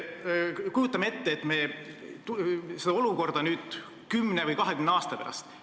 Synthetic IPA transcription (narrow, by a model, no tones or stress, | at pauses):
kujut̪ːˑɑmeet̪ːeːt̪ːˑme | t̪used̪ɑo̞luko̞rd̪ɑnyːd̪̥ | kymnevɯjkɑɦekymneɑːst̪ɑpeɾɑ̰st̪